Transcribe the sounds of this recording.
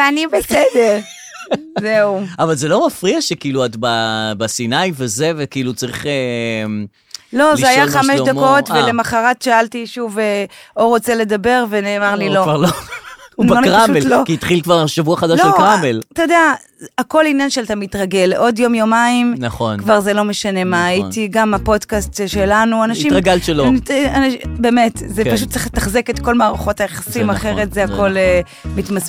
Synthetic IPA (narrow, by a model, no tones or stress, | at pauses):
veanibesede̞ʁ | zeuavalzelo̞mafʁiaʃekiiluat̪babasinajvezevekiilut͡saʁiχem | lo̞zeajaχameʃd̪akotvelemaχaʁatʃaaltiʃuveoʁot͡sele̞d̪abe̞ʁve̞neːmaʁlilo̞vaʁlonaonʁaʃuellokiit̪χilkvaʁaʃavuaχadalʃelkʁamelatajodea | ako̞linjanʃeltamitʁaɡe̞lʔo̞djo̞mjomaimnχonkvaʁzelo̞meʃane̞maːjitiɡamapo̞dkast̪ʃelanuanaʃiʁaɡalʃelonanbe̞metzepaʃut̚ːt͡se̥χletaχzeketko̞lmaːʁaχotajaχasimaχe̞ʁetzeako̞le | mit̪mas